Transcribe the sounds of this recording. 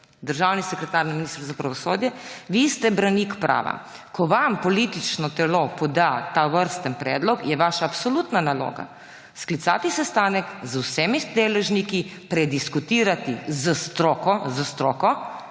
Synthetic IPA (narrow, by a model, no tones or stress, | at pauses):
d̪əɾʒaːwnisɛkɾɛt̪aːɾnɛminiːst̪ɾzapɾaʋɔsoːd̪jɛʋist̪ɛbɾaniːkpɾa̰ːʋa̰ | kʰɔʋampɔliːt̪it͡ʃnɔt̪ɛlopɔd̪at̪aʋəɾst̪ənpɾɛ̰ːd̪lɔkjɛʋaːʃaːpsɔluːt̪nanalo̰ːɡa̰ | sklit̪sa̰ːt̪isɛst̪aːnəkzwsɛmid̪eːlɛʒnikipɾɛd̪iskut̪iːɾat̪izəst̪ɾoːkɔzəst̪ɾoːkɔ